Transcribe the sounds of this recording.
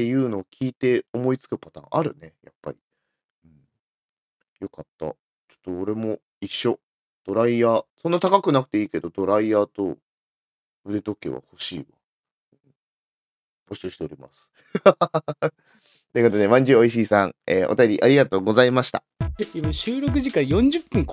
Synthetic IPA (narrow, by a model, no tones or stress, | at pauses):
t̪e̞jɯ̟ːno̞ːkʲʰiːt̪e̞omo̞it͡sɨ̥kɯ̟pat̪ã̰ʔaɾɯ̟̰ne̞ja̰pːa̰ɾʲi | ɯ̟̃ɴ | jo̞kat̪ːa̰ | t͡ɕo̥t̪ːo̞ːɾe̞mo̞ | iɕːo̞ | d̪̥o̞ɾaiaːsonːat̪akakɯ̟nakɯ̟̥t̪e̞iːke̞d̪o̞d̪o̞ɾaiaːt̪o̞ | ɯ̟d̪e̞t̪o̞ke̞̰βa̰ho̞ɕiːβã̰ | b̥o̞ɕɨːɕi̥t̪e̞oɾʲima̰sɨ̥ | t̪eːkot̪od̪emãɲ̟d͡ʑɨːoiɕ̬iːsãŋḛːʔot̪ajo̞ɾʲiʔaɾʲiɡat̪o̞ːɡo̞zaimaɕi̥t̪a | imaɕɨːɾo̞k̬ɯ̟ʑikãjõ̞ɲ̟d͡ʑɨpːɯ̃ŋk